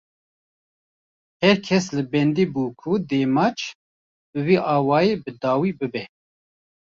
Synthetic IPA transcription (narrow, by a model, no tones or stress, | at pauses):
hɛɾkʰɛslɨbɛnd̪iːbuːkʰud̪eːmɑːt͡ʃ | bɨviːʔɑːwɑːjeːbɨd̪ɑːwiːbɨbɛ